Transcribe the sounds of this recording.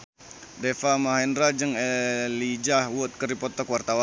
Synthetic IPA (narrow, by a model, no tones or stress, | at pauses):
defamaɦɛndɾad͡ʒəŋelid͡ʒahwʊt̪̚kəɾipɔt̪əkwart̪awa